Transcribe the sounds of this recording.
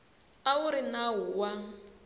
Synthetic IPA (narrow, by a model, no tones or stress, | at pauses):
auɾinaɦuwa